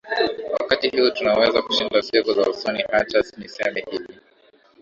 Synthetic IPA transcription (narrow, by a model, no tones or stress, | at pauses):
wakatihiutunawɛzaku̥ʃindasikuza̰usɔnihat͡ʃasnisɛmɛhili